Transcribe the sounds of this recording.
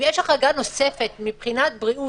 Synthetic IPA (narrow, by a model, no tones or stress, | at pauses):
jɛʃlaχaɡano̞se̞fet̪mipχinat̪̚bʁiʔu